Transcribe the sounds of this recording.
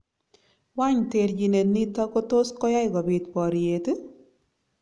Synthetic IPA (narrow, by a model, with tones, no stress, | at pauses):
wa˦ɲte˨ɾd͡ʒi˨ne˨ni˦t̪a˦ko˦to˦skɔ˦ja˦ɪ˦ɡɔ˨bɪ˨t̪pɔ˨ɾje˨t